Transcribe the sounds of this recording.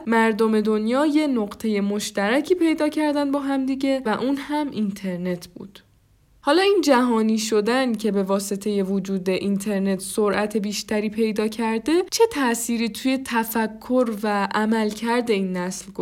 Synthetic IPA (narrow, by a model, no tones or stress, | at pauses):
mæɾd̪ome̞d̪o̞njɒːje̞noɢt̪ʰe̞je̞moʃt̪æɾæcʰiːpʰe̞jd̪ɒːcʰæɾd̪ænd̪bɒːɦæmd̪iɟe̞væʔuːnhæmʔint̪ʰe̞ɾne̞t̪ʰb̥ṵːd̪̥ | hɒːlɒːiːnd͡ʒæɦɒːniːʃo̞d̪æncʰe̞be̞vɒːse̞t̪ʰe̞je̞vod͡ʒuːd̪e̞ʔint̪ʰe̞ɾne̞t̪ʰsoɾʔæt̪ʰe̞biːʃt̪æɾiːpʰe̞jd̪ɒːcʰæɾd̪e̞t͡ʃʰe̞t̪ʰæʔsiːɾiːt̪ʰuːje̞t̪ʰæfækʰːo̞ɾvæʔæmælcʰæɾd̪e̞iːnːæslɡo